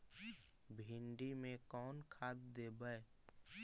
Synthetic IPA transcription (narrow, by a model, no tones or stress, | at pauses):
bʱɪɳɖimẽkɔːnkʰaːt̪̚d̪eːbəe